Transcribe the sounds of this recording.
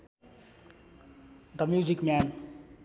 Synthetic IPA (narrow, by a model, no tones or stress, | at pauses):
d̪əmjuzikmæn